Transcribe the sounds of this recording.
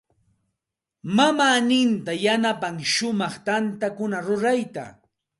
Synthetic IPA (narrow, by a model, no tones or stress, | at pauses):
mamaːnɪnt̪ajanapaŋʃʊmɑχt̪ant̪akʊnaɾʊɾajt̪a̰